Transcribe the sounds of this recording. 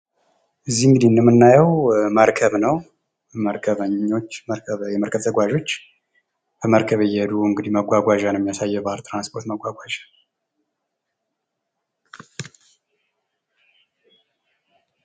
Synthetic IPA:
ʔɨzːihɨŋɡɨd̪inɨmːɨnːajəwməɾkʰəβnəw | məɾkʰəβəɲːo̞t͡ʃːəjɛməɾkʰəβt̪ʰəɡʷaʒo̞t͡ʃː | b̥əməɾkʰəβɨjːɛd̪uɨŋɡɨd̪iməɡʷaɡʷaʒanmːjasajːɛbalt̪ʰʼɾanspʰo̞ɾt̪məɡʷaɡʷaʒḁ

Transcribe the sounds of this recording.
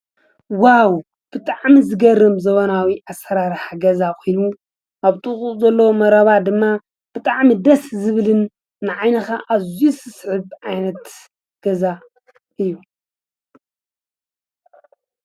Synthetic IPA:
waw | b̥ɨt̪ʼaʕmizɨɡɐrːɨmzɐβɐnawiʔasɐɾaɾħaɡɐzakʰʼojnu | ʔaβt̪ʼuχʼuzɐlːɐwomɐɾɐβad̪ɨmːa | b̥ɨt̪ʼaʕmid̪ɐszɨβɨlɨnː | ɨʕajnɐxaʔazisɨsħɨβʕajnɐt̪ | ɡ̥ɐza | ɨjːu

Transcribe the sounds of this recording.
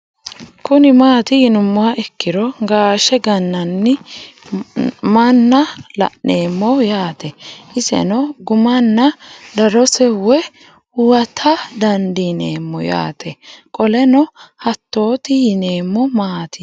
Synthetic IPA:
kʊnɪmaːt̪ɪhɪnʊmːʊaʔɛkːɪɾɔɡaːʃɛɡɐnːɐnːɪ | mɐnːɐlɐ̰ʔːe̞ːmːɔjaːt̪ɛʔɪsɛ̰nɔɡʊmɐnːɐd̪ɐɾɔsɛwɛ | hʊwɐt̪ʰɐd̪ɐnd̪ɪneːmːɔ̰ja̰ːt̪ɛkʼɔlɛnɔhɐt̪ːo̞ːt̪ɪjɪne̞ːmːɔmaːt̪ʰɪ

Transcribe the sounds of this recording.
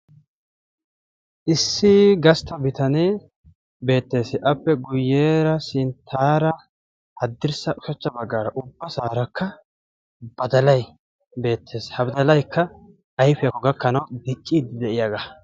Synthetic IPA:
ʔɪsːɪɡɐst̪ɐbɪt̪ɐneː | be̞ːt̪ːe̞ːsɪʔɐpːɛɡʊjːeːɾɐsɪnt̪ʰaːɾɐ | hɐd̪ːɪɾsɐʔʊʃɐt͡ʃːɐbɐɡːaːɾɐʔʊbːɐsaːɾɐkʰːɐ | b̥ɐd̪ɐlɐj | be̞ːt̪ʰːe̞ːshɐbɪd̪ɐlɐjkːɐ | ɐjfɪjɐkːɔɡɐkːɐnɐwd̪ɪt͡ʃʼːiːd̪ɪd̪ɛʔɪjaːɡa

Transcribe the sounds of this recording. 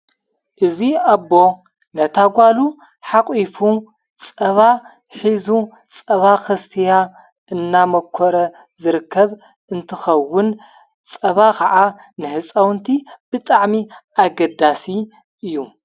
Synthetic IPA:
ʔɨziabːo̞ | nɐt̪ʰaɡʷalu | ħaqʼifu | t͡sʼɐβa | ħizu | t͡sʼɐβaxɐst̪ʰija | ɨnːamɐkʰːoɾɐ | zɨɾɨkʰːɐβ | ɨnt̪ʰɨxɐwːʊn | t͡sʼɐβakʰɐʕa | nɨhɨt͡sʼɐwnt̪ʰib̥ɨt̪ʼaʕmiʔaɡɐd̪asi | ʔɨjːu

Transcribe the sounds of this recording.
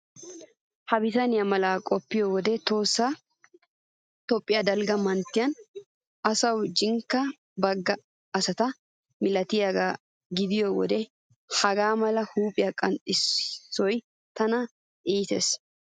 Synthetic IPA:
hɐbɪt̪ɐnɪjɐmɐlaːkʼɔpːɪjɔwɔd̪ɛt̪o̞ːsːa | t̪ɔpʼːɪjaːd̪ɐlɡɐmɐnt̪ːɪjɐn | ɐsɐwd͡ʒɪŋkːɐ | bɐɡːɐː | sɐt̪ɐ | mɪlɐt̪ɪjaɡaː | ɡɪd̪ɪjowɔ̰d̪ɛ | hɐɡaːmɐlɐhuːpʼɪjakʼɐnt̪ʼɪsːɔj | t̪ɐnɐ | ʔiːt̪ḛːs

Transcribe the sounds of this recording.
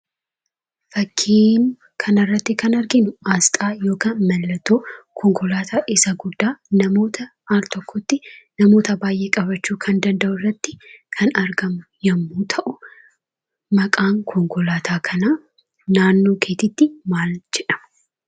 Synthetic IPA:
fɐkʰːiːm | kʰɐnɐrːɐt̪ːɪkɐnɐɾɡɪnʊaːst̪ʼaːjo̞ːkɐnmɐlːɐt̪ːoːkʰɔŋkɔlaːt̪ʰaːʔɪsɐɡʊd̪ːaːnɐmo̞ːt̪ʰɐ | aːlt̪ɔkːɔt̪ːɪnɐmo̞ːt̪ɐbaːjʔe̞ːkʼɐbɐt͡ʃːuːkʰɐnd̪ɐnd̪ɐʔʊrːɐt̪ːɪkʰɐnɐɾɡɐmʊjɐmːuːt̪ʰɐʔʊ | mɐkʼaːŋkʰɔŋkɔlaːt̪ʰaːkʰɐnaː | naːnːo̞ːkʰe̞ːt̪ɪt̪ːɪmaːld͡ʒɛᶑɐ̥m

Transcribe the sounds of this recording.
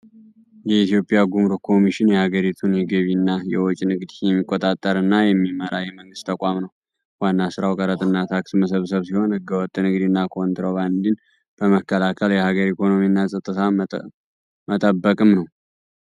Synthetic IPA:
jɛit̪jo̞pʼjaɡumɾokʰo̞miʃɪnjɛhaɡəɾit̪ʰunjɛɡəβinːajɛwɔt͡ʃʼinɨɡd̪jɛmːikʼːot̪ʼat̪ʼːəɾɨnːajɛmːiməɾajɛməŋɡɨst̪ʰəkʷʼamnəw | wanːasɨɾawkʼəɾət̪ʼɨnːat̪ʰaksməs̬əβsəβsiho̞nhɨɡəwɔt̪ʼːnɨɡd̪inːakʰo̞nt̪ɾo̞βand̪in | b̥əməkʰːəlakʰəljɛhaɡəɾikʰo̞no̞minːasʼət̪ʼːɨt̪ʰa | mət̪ʼəbːəkʼɨmnəw

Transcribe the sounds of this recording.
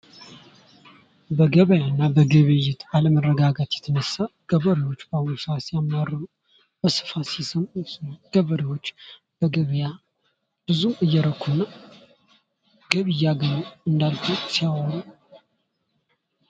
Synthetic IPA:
bəɡəβəjanːabəɡəβɨjɪt̪ʰaləmərːəɡaɡət̪jɛt̪ʰənəsːaɡ̥əβəɾiwot͡ʃːbahunsasijamːarːɨmu | b̥əsɨ̥fasisəmɡ̥əβəɾiwo̞t͡ʃː | b̥əɡəβəja | b̥ɨzumɨjːɛɾəkʰːunə | ɡ̥əβɨjaɡənoɨnd̪alfʰusijawoɾu

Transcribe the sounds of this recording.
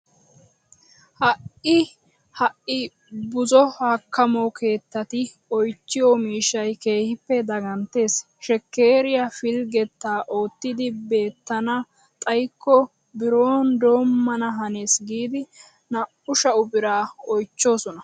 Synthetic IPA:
hɐʔɪ | hɐʔɪ | bʊzɔhɐkːɐmɔkʰe̞ːt̪ːɐt̪ɪ | ɔjt͡ʃːɪjɔmiːʃːɐjke̞ːhɪpːɛd̪ɐɡɐnt̪e̞ːs | ʃɛkːe̞ːɾɪjafɪlɡɛt̪ːaːʔo̞ːt̪ːɪd̪ɪbe̞ːt̪ːɐnɐ | t̪ʼɐjkːɔ | bɪɾo̞ːnd̪o̞ːmːɐnɐɦɐneːsɡiːd̪ɪ | nɐ | ʊʃɐʊbɪɾaːɔjt͡ʃːo̞ːsɔnɐ

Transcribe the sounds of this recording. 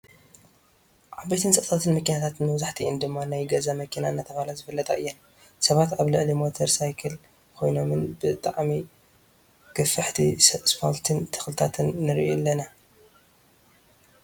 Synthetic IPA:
ʕabet̪ʰɨnsɐʔt̪ʰat̪ʰɨnmɐkinat̪ʰat̪ɨnːɨβzaħt̪ʰiʔɨnd̪ɨmːanajɡɐzamɐkʰinaɨnːat̪ʰɐβalazɨfɨlːɐt̪ʼɐ̰ʔɨ̰jːɛn | sɐβat̪aβlɨʕlimo̞t̪ʰɐɾsajkʰɐl | kʰo̞jno̞mɨnbɨt̪ʼaʕmi | ɡ̥ɐfɨħt̪ʰispʰolt̪ʰɨnt̪ʰɨ̥xlɨt̪ʰat̪ʰɨnːɨɾʔulːɐna

